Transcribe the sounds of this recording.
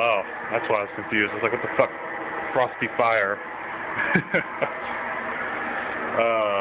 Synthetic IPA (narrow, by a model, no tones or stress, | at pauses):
o | ðætswaɪaɪz̥kʰɨ̃ɱfjʉzdɨtslaɪkʌðəfʌk | fɹɑstifaɪə˞ | ʌ